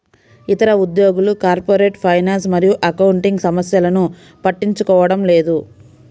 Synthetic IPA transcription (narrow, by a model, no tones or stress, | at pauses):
it̪ɐɾɐud̪joːɡulukaːɾpoːɾe̞ːʈpʰɐjnaːns̬mɐɾijuʔɐkɐwuɳʈiŋɡsɐmɐsjɐlɐnu | pɐʈːiɲt͡ʃukɔːʋɐɽɐmle̞ːd̪u